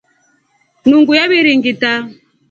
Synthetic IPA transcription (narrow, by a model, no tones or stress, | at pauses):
nuŋɡujaβiɾiŋɡita